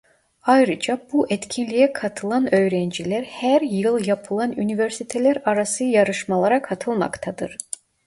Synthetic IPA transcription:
ɑjɾɯd͡ʒɑbuʔɛt̪cʰinlʲijɛkʰɑt̪ʰɯlˠɑnø̞jɾɛnd͡ʒilæɾhæɾjɯlˠjɑpʰɯlˠɑnyniveɾsit̪ʰelæɾɑɾɑsɯjɑɾɯʃmɑlˠɑɾɑkʰɑt̪ʰɯlˠmɑ̰kt̪ʰɑd̪ɯɾ̥

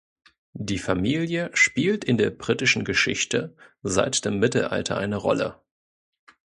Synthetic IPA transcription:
d̥iːfamiːljəʃpiːltɪndeːɐbʁiːtɪʃn̩ɡəʃɪ̰çtəza̰ɪtd̥eːmːɪtl̩ʔa̰ltʰɐ̰ʔaɪnəʁɔ̰lə̰

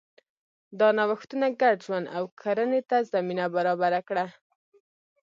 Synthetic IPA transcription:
d̪ɑnawaxt̪unaɡaɽʒwand̪a̰wkʰaɾənet̪azaminabaɾɑbaɾakɽa

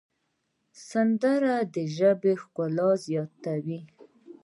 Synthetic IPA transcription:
sand̪əɾad̪əʒəbexkʊlɑzjɑt̪ːawi

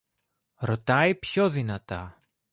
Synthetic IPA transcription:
ɾo̞t̪ɐipçoðinɐt̪ɐ

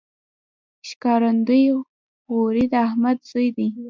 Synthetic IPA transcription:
ʃkɑɾand̪uj | woɾid̪ahmad̪z̥ojd̪i

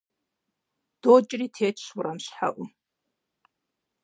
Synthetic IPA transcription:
d̥oːt͡ʃʼriːtʰeːt͡ʃʰʼɕwʊrɐmɕħa̰ʔʷʊ

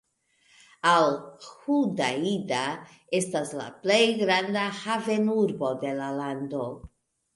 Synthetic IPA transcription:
alhudaida | e̞stasla̰ple̞jɡɾandahave̞nuɾbo̞de̞lalando̞

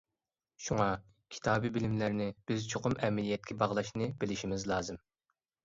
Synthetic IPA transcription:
ʃuŋɑ | kʲʰi̥t̪ʰɑːbibɪlɪmlæɾnɪb̥ɪzt͡ʃʰoqʊmɛmlijɛt̪̚kʲʰɛbɑʁlˠɑʃnɨb̥ɪlɪʃimɪzlˠɑːzɨm

